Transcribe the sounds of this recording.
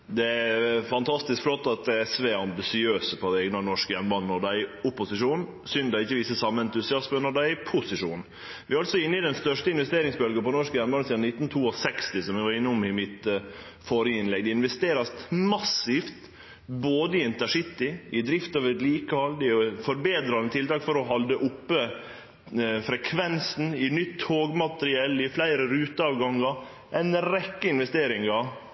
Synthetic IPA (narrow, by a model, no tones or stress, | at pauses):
d̪ɛæɾfɑnt̪ʰɑst̪ɪskflɔt̪ːɑt̪ɛɛsʋeɑmbɪsɪøːsəpʰɔd̪ɛɛːɡnɑnɔʂkəjɛnːəbɑnnɔɖ̪æɪʊpʊsɪʂuːn | sʏnd̪ɑɪçːəʋiːsəsɑmːɛnt̪ʉsɪɑspənɔd̪æɪpʰʊsɪʂuːn | ʋɪɾɑlsɔɪnːəɪd̪ɛnst̪œʂʈəɪnʋɛst̪eːɾɪŋsbœlɡəpɔnɔʂkəjɛnbɑnəsiːd̪nɪt̪ːn̩t̪ʰuːɔsɛkst̪ɪsɔmjɛɡʋɑɾɪnːəʊmɪmɪt̪ | foɾɪɪnlɛɡ̚d̪ɛɪnʋɛst̪eːɾɑsmɑsɪft̪ | boːd̪əɪɛnt̪æʂɪt̪ːɪɪd̪ɾɪft̪ɑʋɛt̪liːkəhɑld̪ɛfɔɾbeːd̪ɾɑnət̪ʰɪlt̪ɑːkfɔɾɔɦɑld̪əʔʊpːə | fɾɛkʰʋɛnsn̩ɪnʏt̪ːʰhoːɡmɑt̪ɾɪɛlːɪflæɪɾəɾʉːt̪əɑːʋɡɑŋːɑ | ʔɛɪnɾɛkːəɪnʋɛst̪eːɾɪŋɑ